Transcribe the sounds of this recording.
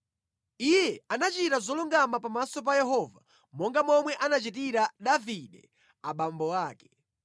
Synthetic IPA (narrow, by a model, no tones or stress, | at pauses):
ijɛanat͡ʃitazɔluŋɡamapamasɔp̬ajɛɦɔva | mɔŋɡamɔmwɛʔanat͡ʃit̬iɾaɗaviɗɛ | aɓambɔwaːkɛ̥